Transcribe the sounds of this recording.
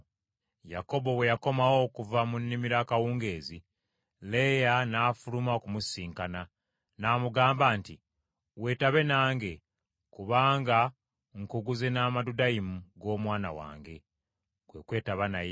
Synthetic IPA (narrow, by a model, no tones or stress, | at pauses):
jako̞bo̞we̞jako̞mawo̞kuvamunːimiɾakawuːŋɡe̞ːzi | le̞janaːfulumaokumusiːŋkana | naːmuɡaːmbaːnti | we̞ːtaβe̞naːŋɡe̞ | kuβaːŋɡa | ŋkuɡuzenaːmadudajimuɡo̞ːmwaːna̰wa̰ːŋɡe̞ | kwe̞kwe̞ːtaβanaj